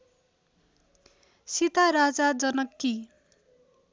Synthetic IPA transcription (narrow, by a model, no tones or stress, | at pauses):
sit̪aɾad͡zad͡zʌnʌkːi